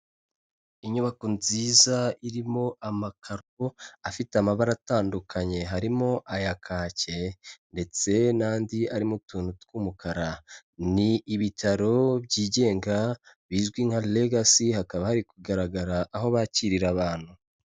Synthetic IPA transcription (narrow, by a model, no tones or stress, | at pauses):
iɲuβakonziːzaiɾimo̞amakʰaɾ | oafiteamaβaɾataːndukʰaɲe̞ɦaɾimo̞ʔajakʰaːce̞nde̞t͡se̞naːndiaɾimutuːnutkuːmukaɾa | niːβitʰaɾo̞bɟiːɟe̞ːŋɡa | βiːzɡwiŋ̥haleɡasihakaβahaɾikuɡaɾaɡaɾaʔːɦo̞βaciɾiɾaβaːn̥hu